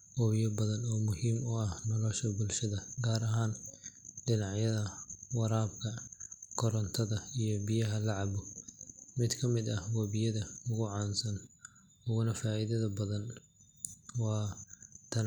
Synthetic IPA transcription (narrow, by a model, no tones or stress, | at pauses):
ʔɔjɐbɐðɐnɔːmʊhiːmʊɐhnɐlɔʃɐbʊlʃɐðɐɡaːɾɐɦaːnɖɪnɑʕjɐðɐwɑɾaːbkʰɐkʰɔɾɐnt̪ʰɐðɐijɔbɪjɐɦɐlɑʕɑbʊ | mɪd̪kʰɐmɪd̪ɐhwɑːbɪjɐðɐʊɣʊʕɑːnsɐn | ʊɣʊnɐfaːʔɪðɐðɐbɐðɐn | wɑːt̪ʰɐn